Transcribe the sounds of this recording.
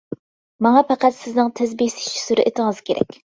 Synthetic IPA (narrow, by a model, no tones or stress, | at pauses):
mɑŋɑpʰɑqæt̪sɪznɨŋt̪ʰɪzbisɪ̥ʃt͡ʃʰi̥suɾɪʔet̪ʰɪŋɨz̥kʲeɾɛ̰kʲ